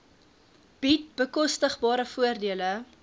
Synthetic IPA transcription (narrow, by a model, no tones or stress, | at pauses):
b̥it̚bəkɔstəχbɑːɾəfuərdiələ